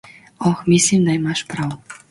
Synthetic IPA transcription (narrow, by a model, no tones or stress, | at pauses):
oxmʲisimd̪ɑjmɑʃprɑw